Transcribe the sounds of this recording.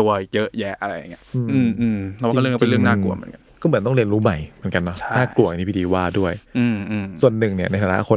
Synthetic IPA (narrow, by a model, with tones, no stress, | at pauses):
u˧jɤ˦˥ʔjɛ˦˥ʔa˧ɾa˧ja˨˩ŋːi˦˥ʔɯː˧mʔʔːmʔɯː˧mʰ˧a˥˧˥t͡ɕe˧˨ɾɯ˥˩əŋnaː˥˩lu˨˩mɯ̰˧˩˦ə˦nka˧˦kɔː˥˩mɯ˩˦nt̪ɔ˥˩ɾənɾuː˦˥ma˨˩jmɯ˩˦ənka˧nːɔ˦˥naː˥˩klu˨˩˨t̪ʰi˥pʰi˧diː˧waː˥˩du˥˩əjʔɯː˧˩mʔːsu˨˩ənːɯ˨˩ŋni˥˩ɐna˧jt̪ʰaː˨˧na̰˦˥ʔkʰo˧